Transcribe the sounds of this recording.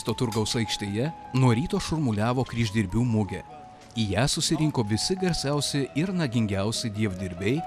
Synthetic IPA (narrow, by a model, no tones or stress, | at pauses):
st̪oːt̪ʊɾɡɐʊsɐɪkʃʲt̪ʲeːjɛ | nuɔɾʲiːt̪oːʃʊɾmʊlʲæːʋoːkɾʲiːʒʲd̪ʲiɾʲbʲuːmʊɡʲɛ | ijæːsʊsʲɪɾʲɪŋkoːʋʲɪsʲɪɡɐɾʲsʲɛˑʊsʲɪɪɾnɐɡʲɪŋʲɡʲæˑʊsʲɛd̪ʲiɛʋd̪ʲɪɾʲbʲɛɪ